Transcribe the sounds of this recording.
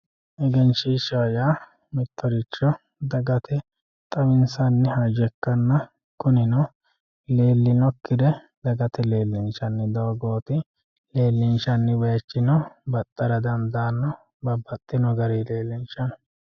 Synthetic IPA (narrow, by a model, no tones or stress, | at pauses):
ʔɛɡɛnt͡ʃiʃɐjaː | mɪt̪ːɔɾɪt͡ʃːɔ | d̪ɐɡɐt̪ʰɛ | t̪ʼɐwɪnsɐnːɛhɐd͡ʒɛkːɐnːɐ | kʊnɪnɔ | le̞ːlːɪnɔkːɪd̪ɛ | d̪ɐɡɐt̪ɛle̞ːlːɪnʃɐnːɪd̪ɐɡo̞ːt̪ɪ | le̞ːlːɪnʃɐnːɪwɛjɐt͡ʃːɪnɔbɐt̪ʼːɐɾɐd̪ɐmd̪aːnːɔ | bɐbːɐt̪ʼːɪnɔɡɐɾiːleːlːɪnt͡ʃɐnɔ